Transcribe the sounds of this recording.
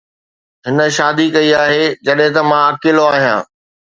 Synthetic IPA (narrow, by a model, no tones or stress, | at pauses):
ɦɪnə̆ʃaːd̪ikɐiaːɦed͡ʑɐɗɦɪ̃t̪ɐmãɐkɪloaːɦijã̰ː